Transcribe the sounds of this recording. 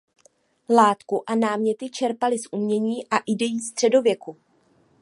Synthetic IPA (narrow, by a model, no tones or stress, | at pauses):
laːt̪kuʔanaːmɲɛt̪ɪt͡ʃɛɾpalɪsʔumɲɛɲiːʔaʔɪdɛjiːst̪r̝̥ɛdo̞vjɛku